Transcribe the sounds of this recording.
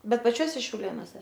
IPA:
ˈbʲɛt pɐˈt͡ʃʲuɔsʲɛ ʃʲɛʊˈlʲeːnoːsʲɛ

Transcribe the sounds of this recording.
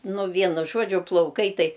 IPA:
ˈnʊ ˈʋʲiɛnʊ ˈʒuɔd͡ʒʲʊ plˠɐʊˈkɐɪ ˈtɐɪ

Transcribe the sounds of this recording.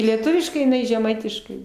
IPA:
lʲiɛˈtʊʋʲɪʃkɐɪ ɪˈnɐɪ ʒʲɛˈmɐɪtʲɪʃkɐɪ

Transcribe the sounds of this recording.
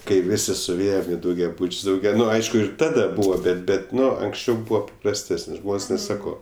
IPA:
kɐɪ ˈʋʲɪsʲɪ sʊˈʋʲeːjɛm ɪ dɐʊɡʲɛˈbʊt͡ʃʲsʲ dɐʊˈɡʲɛ ˈnʊ ˈɐɪʃkʊ ɪr ˈtɑːdɐ ˈbuːʋoː ˈbʲɛt ˈbʲɛt ˈnʊ ɐŋksʲˈt͡ʃʲɛʊ ˈbuɔ pɐprɐsʲˈtʲæːsənʲ ˈʒmoːnʲsʲ ˈnʲɛs ˈsɑːkoː

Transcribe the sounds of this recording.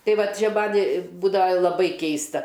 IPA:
ˈtɐɪ ˈʋɐt ˈt͡ʃʲɛ ˈmɐnʲ ˈbuːdɐʋɐ lˠɐˈbɐɪ ˈkʲɛɪstɐ

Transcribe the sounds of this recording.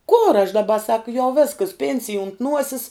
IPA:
koːr ɐʃ dɐˈbɐ sɐk jɛʊ ˈʋʲeːskɐs ˈpʲeːnʲsʲɪj ʊnt ˈnuɔsʲɪs

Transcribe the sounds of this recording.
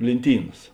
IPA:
lʲeːnʲˈtʲiːnɐs

